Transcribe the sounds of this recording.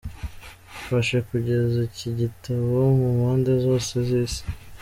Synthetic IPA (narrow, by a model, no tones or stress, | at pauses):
faʃekuɟe̞ziciɟitaβomumaːndezo̞ːseziːsi̥